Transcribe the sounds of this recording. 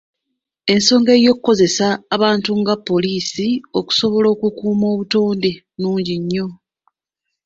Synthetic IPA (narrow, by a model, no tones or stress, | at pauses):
e̞nso̞ːŋɡe̞ːjo̞kukːo̞ze̞saːβaːntuŋɡapːo̞liːsio̞ku̥so̞βo̞lo̞ːkukuːmo̞ːβuto̞ːnde̞ | nuːɲɟiɲːo̞